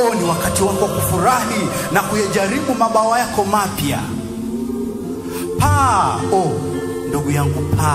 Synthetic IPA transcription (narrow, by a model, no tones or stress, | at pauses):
ɔniwakatiwakɔwakufuɾahi | nakujaʄaɾiɓumaɓaajakɔmapja̰ | paɔ | nduɡujaŋɡupʰa